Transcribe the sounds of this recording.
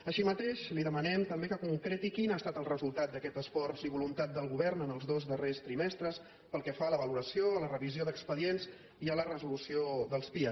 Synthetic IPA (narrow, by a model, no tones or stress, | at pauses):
əʃimət̪eʃliðəmənɛmt̪əmbekəkuŋkɾet̪ikinast̪at̪əlˠrəzulˠt̪at̪̚d̪əkɛt̪əsfɔrziβulunt̪at̪̚d̪əlˠɣuβɛrnənəlˠzðozdərest̪ɾimɛst̪ɾəs | pəlˠkɛfaləβəluɾəsiolərəβizioðəkspəðienz | iələrəzulusioðəlˠspiəs